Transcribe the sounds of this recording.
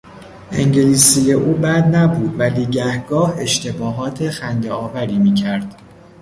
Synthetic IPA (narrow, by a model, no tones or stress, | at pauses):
ʔe̞̰ŋɟeliːsije̞ʔuːbæd̪næbuːd̪væliːɟæhɡɒːhe̞ʃt̪e̞bɒːɦɒːt̪ʰe̞xænd̪eɒːvæɾiːmiːcʰæɾd̪̥